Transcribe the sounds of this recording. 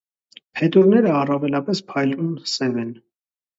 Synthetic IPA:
pʰɛt̪uɾnɛɾəɑrɑvɛlɑpɛspʰɑjlnunsɛvɛn

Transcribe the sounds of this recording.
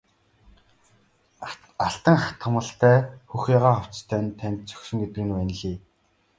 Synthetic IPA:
aɬt̪ə̆ŋχat̪χə̆mə̆ɬt̪æːxuxjaʁaːχɔw̥t͡st̪ʰæːnt̪ʰænʲt̪̚t͡sʰœ̥xsɘ̆ŋɡet̪ɘ̆ɡɘ̆nwæn̆ɮiː

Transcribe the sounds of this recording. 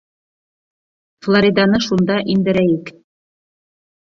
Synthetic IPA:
flˠoɾʲid̪ɑnɤʃund̪ɑʔind̪ɘ̆ɾæjɘk

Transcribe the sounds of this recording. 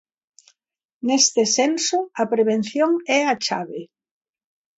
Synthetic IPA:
nest̪ɪsensʊɐpɾeβen̟θjoŋɛat͡ʃa̰βe

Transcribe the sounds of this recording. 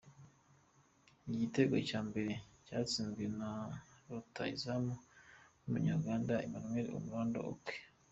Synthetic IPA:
iɟite̞ɡocaːmbe̞ɾe̞caːt͡siːnzɡwenaɾota̰ḭzamonumuɲaɾɡaːndaimanmweɾḭo̰muɾaːnda̰ʔo̰kwe̥

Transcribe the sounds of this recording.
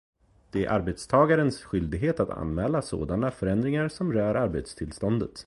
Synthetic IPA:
d̪̥ɛæɾʔa̰ɾbet̪st̪ʰɑːɡaɾənsɧʏld̪ɪɡɦeːt̪at̪ʰa̰nmɛːlaso̰ːd̪anafœɾɛnd̪ɾɪŋaɾsɔmɾœːɾaɾbḛt̪st̪ʰɪlst̪ɔnd̪ət̪

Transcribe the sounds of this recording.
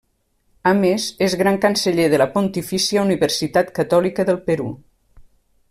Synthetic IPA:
əmezezɣɾaŋkənsəʎeðələpont̪ifisiauniβəɾsit̪at̪kət̪ɔlikəðəlˠpəɾṵ

